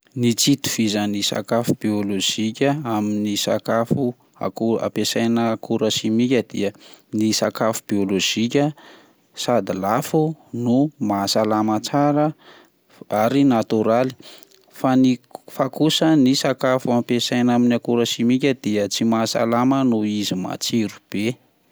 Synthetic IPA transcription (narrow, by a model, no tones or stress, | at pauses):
nit͡sit̪u̥v̥izənisa̰kafubiolod͡ʒikʲəaminisa̰kafu | a̰ua̰pesajnəkuɾəsimikʲəd̪̥ḭə | nisakafu̥b̥ioloʒ̥ikʲə | sad̪ilafunumasalamat͡saɾə | aɾinat̪uɾali̥ | fanifakusənisakafuampesajnaminakuɾəsimikʲəd̪̥iət͡simasa̰lamənuizima̰t͡siɾub̥e